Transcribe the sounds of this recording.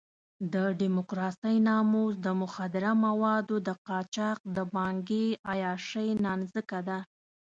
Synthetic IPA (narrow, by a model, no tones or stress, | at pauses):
d̪əɖimʊkɾɑsəjnɑmozd̪əmʊxad̪ɪɾamawɑd̪od̪əqɑt͡ʃɑq̚d̪əbɑŋɡeajɑʃəjnɑnzəkad̪a